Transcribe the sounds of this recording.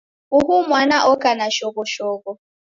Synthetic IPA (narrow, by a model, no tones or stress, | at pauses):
uɦumwanaʔɔkanaʃɔkɔʃɔkɔ